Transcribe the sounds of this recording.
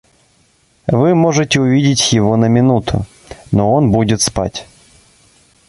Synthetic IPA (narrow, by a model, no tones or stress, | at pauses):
vɨmoʐɨtʲɪʊvʲidʲɪtʲjɪvonəmʲɪnut̪ʰʊ̰ | noonbudʲɪt̪spa̰tʲ